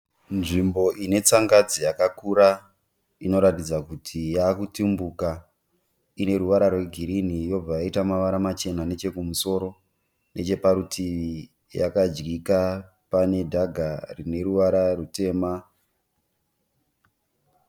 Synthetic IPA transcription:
nʐimbo̞ʔine̞t͡saŋɡad͡zijakakuɾa | ino̞ɾatid͡zakutʰijaːkutimbuka | ine̞ɾuʋaɾarwe̞ɡʱiɾinijo̞b͡vajaitamaʋaɾamat͡ʃe̞nane̞t͡ʃe̞kumuso̞ɾo̞ | nʔe̞t͡ʃe̞paɾutʰiʋi | ja̰kad͡ʒɡika | pane̞dʱaɡʱarine̞ɾuʋaɾarute̞ːma

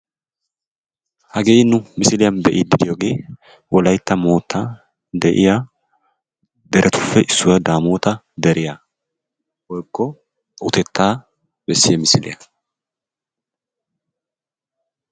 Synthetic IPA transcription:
hɐɡeːjnːʊmɪsɪlɪjɐnbɛʔɪd̪ɪd̪ɪjoːɡe̞ː | wɔlɐjt̪ːɐmoːt̪ːa | d̪ɛʔɪja | d̪ɛɾʔɛt̪ʊ̥fːɛʔɪsːʊwɐd̪aːmoːt̪ɐ | d̪ɛɾɪja | wɔjkːɔ | ʔʊt̪ɛt̪ːaː | bɛsːɪjɛmɪsɪlɪ̰jɐ

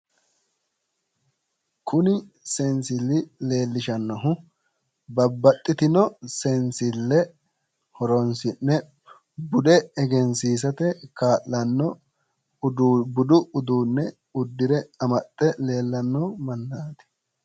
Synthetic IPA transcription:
kʰʊnɪsɛnsɪlːɪle̞ːlːɪʃɐnːɔɦʊ | bɐbːɐt̪ʼːɪt̪ɪnɔsɛnsɪlːɛ | hɔɾɔnsɪnːɛ | bʊd̪ɛːɡɛnsiːs̬ɐt̪ɛkaːʔːɐnːɔ | bʊd̪ʊʊd̪uːnːɛ | ʊd̪ːɪɾɛɐmɐt̪ʼːɛle̞ːlːɐnːɔmɐnːaːt̪ɛ̥

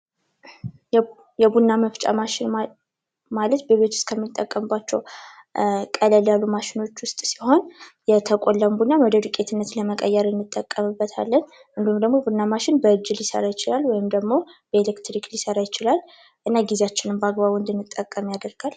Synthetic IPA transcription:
jɛbunːaməft͡ʃʼa̰maʃɪn | malət̪bəβe̞t̪ʰu̥skʰəmːɨt̪ʼːəkʼːəmɨbːat͡ʃːɛw | kʼələljalːumaʃɪno̞t͡ʃːwʊst̪ʼsiho̞njɛt̪ʰəkʼolːəmbunːaməd̪əd̪ukʼe̞t̪ʰɨnːət̪ləməkʼəjːɛɾɨnːɨt̪ʼːəkʼːəmɨbːət̪ʰa̰lːən | ʔɨnd̪ihumd̪əɡmo̞bunːamaʃɪnbəɨd͡ʒːɪljɪsə̰ɾajɪt͡ʃɪlalwɔjɪmd̪əɡmo̞b̥əelekt̪ɾiklisəɾajɪt͡ʃɪlal | ʔɨnːaɡizeat͡ʃːɪnɨmbəaɡβaβɨnd̪ɨnːɨt̪ʼːəkʼːəmjad̪əɾɡ̥al

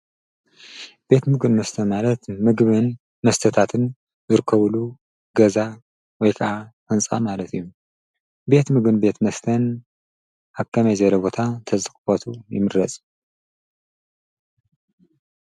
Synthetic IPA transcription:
b̥e̞t̪mɨɡɨnmɐst̪ʰɐnmalɐt̪mɨɡβɨn | mɐst̪ʰɐt̪ʰat̪ʰɨn | zɨɾɨkʰːɐβlu | ɡɐza | wɔjkʰɐʔaxɨnt͡sʼa̰malɐt̪ʰijːu | be̞t̪mɨɡɨnbe̞t̪mɐst̪ʰɐn | ʔaβkʰɐmɐjzɐɾɐbo̞t̪ʰat̪ʰɐzɨkʼfɐt̪ʰujɪ̰mɨɾɾɐt͡sʼ

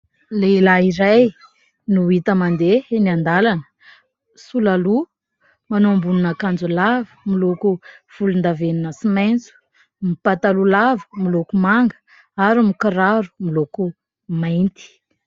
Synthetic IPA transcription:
lelaiɾaj | nuit̪əmand̪eniand̪alanə̥ | sulalu | manoambununakand͡zulavə̥milokuv̥ulund̪aveninəsimajnt͡su̥ | mipat̪alulavə̥milokumaŋɡə̥ | aɾimikiɾaɾu̥miloku | majnt̪i̥

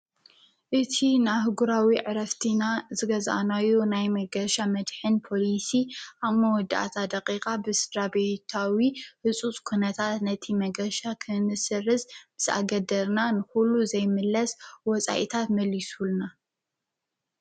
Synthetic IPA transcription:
ʔɨt̪ʰinaɦɨɡuɾawiʕɨɾɐft̪ʰinazɨɡɐzʔa̰najonajmɐɡɐʃamɐd̪ħɨnpʰo̞lisiʔaβmɐwɔd̪ːɨʔa̰t̪ʰad̪ɐqʼikʼabɨsɨd̪ɾabet̪ʰawihɨsʼut͡sʼkʰunɐt̪ʰat̪nɐt̪ʰimɐɡɐʃakʰɨnɨsɨrɨzb̥ɨz̥a̰ɡɐd̪ɐɾnanɨxulːuzɐjmɨlːɐswɔt͡sʼa̰ʔit̪ʰat̪mɐlːisulna

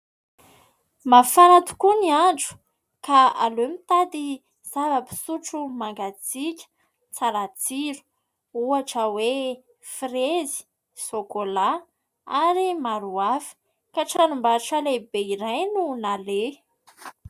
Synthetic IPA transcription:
mafanat̪u̥kuniaɳɖ͡ʐu̥ | kaalomit̪ad̪i | z̥avəpi̥suʈ͡ʂumaŋɡat͡sikʲə̥ | t͡saɾat͡siɾu̥ | uaʈ͡ʂəwe | frezi̥ | sokola | aɾimaɾuafi̥ | kaʈ͡ʂanumbaʈ͡ʂalebeiɾajnunale

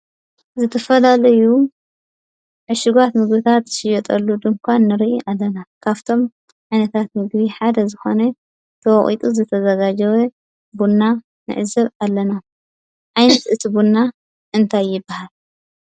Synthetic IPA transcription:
zɨt̪ʰɐfɐlalɐju | ʕɨʃɪɡat̪mɨɡbit̪ʰat̪ʃɪjɛt̪ʼɐlːud̪ɨŋkʷʰanːɨɾiʔiʔalːɐnakʰaβt̪ʰo̞m | ʕajnɐt̪ʰat̪mɨɡbiħad̪ɐzɨxo̞nɐ | t̪ʰɐwɐχʼḭt̪ʼuzɨt̪ʰɐzɐɡad͡ʒɐwe | bunːa | nɨ̰ʕɨzɐβalːɐna | ʕajnɐt̪ʔɨt̪ʰibunːa | ʔɨnt̪ʰajːɪbːahal

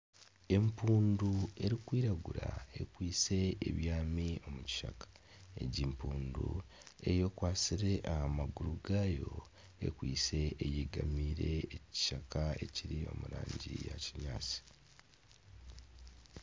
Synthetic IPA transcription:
e̞mpuːndue̞ɾikwiːɾaɡuɾae̞kwiːse̞ːβjaːmio̞muci̥ʃa̰kḁ | e̞̰ɟimpuːndue̞̰jo̞kwaːsiɾe̞ʔahamaɡuɾuɡaːjo̞ | e̞̰kwiːse̞ʔːjeɡamiːɾe̞ːci̥ʃakaeciɾio̞muɾaːɲɟḭjaciɲa̰ːt͡si̥

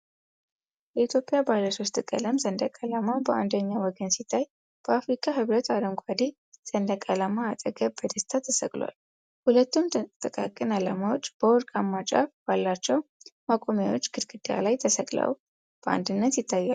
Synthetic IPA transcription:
jɛit̪ʰjo̞pʼjabajləso̞st̪kʼə̰ləmzənd̪əkʼalamabəʔa̰nd̪əɲːawɔɡənsit̪ʰːaj | b̥əafɾikʼahɨβɾət̪ad̪əŋɡʷʼad̪i | z̥ənd̪əkʼalamaːt̪ʼəɡəbəd̪əst̪ʰat̪ʰəsəkʼlwa̰l | hulət̪ːumt̪ʰʼəkʼakʼɨnalamawot͡ʃːb̥əwɔɾkʼamːat͡ʃʼa̰fb̥alːat͡ʃːɛwmakʼo̞mjawo̞t͡ʃːɡɨd̪ɡɨd̪ja̰lajt̪ʰəsəkʼlə̰w | b̥əa̰nd̪ɨnːət̪jɪt̪ʰːajːal

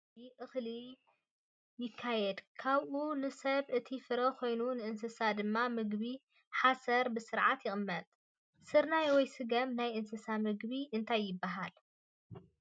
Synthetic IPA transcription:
iʔɨxli | jɪkʰːajɛd̪kʰaβʔunɨsɐβʔɨt̪ʰifɨɾɐkʰo̞jnunɨʔɨnsɨsad̪ɨmːamɨɡbi | ħasɐɾbɨsɨɾʕat̪jɪχʼɨmːɐt̪ʼ | sɨɾnajwɔjsɨɡɐmnajʔɨnsɨsamɨɡβiʔɨnt̪ʰajːɪbːaɦal

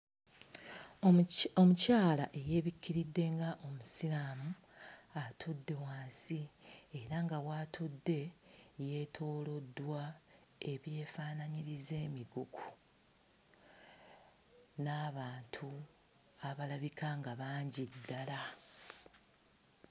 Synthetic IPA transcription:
omucaːlaʔe̞je̞ːβikːiɾidːe̞ŋɡaʔo̞musiɾamu | atʰudːe̞waːnsieɾaŋɡawaːtʰudːe̞je̞ːtʰo̞ːlo̞dːwa | e̞βje̞ːfaːnaɲiɾize̞ːmiɡukʰu̥ | naːβaːntʰu | aβalaβikʰaŋɡaβaːɲɟidːala

